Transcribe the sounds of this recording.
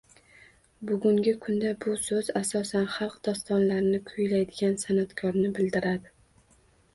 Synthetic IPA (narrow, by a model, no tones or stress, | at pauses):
bʊɡʲʊŋɡʲɪkʰʊnd̪abʊsɵzasɒsanχɑlˠqd̪̥ɒst̪ɒnlaɾnɪkʰʊjlajd̪ɪɡʲansanat̪kʰɒɾnɪbɪld̪ɪɾad̪ɪ